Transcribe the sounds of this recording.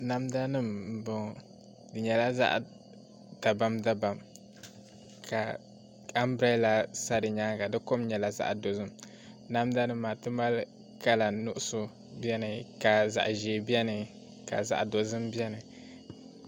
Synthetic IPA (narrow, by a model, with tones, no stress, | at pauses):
na˦mda˦nɨ˦m˨bɔ˨ŋ˨ | dɨ˨ɲɛ˨la˦za̰˦ʔ | d̥a˨ba˦mda˦ba˨m | kʰa˨ | a˦m˦bɾa˦la˨sa˦dɨ˨ɲa˦ka˨dɨ˦ko˦mɲɛ˨la˦za̰˦ʔdo˨zɨ˦m | na˦mda˦nɨ˦mː˦aː˨tɨ˦ma˦l | ka˦la˨nʊ˦ʔʊ˦sʊ˦ | bi˦ɛ˦nɨ˨ka˨za̰˨ʔʒeː˨bi˦ɛ˦nɨ˨ | ka̰˨za̰˨ʔdo˨zɨ˦mbɛ˦nɨ˨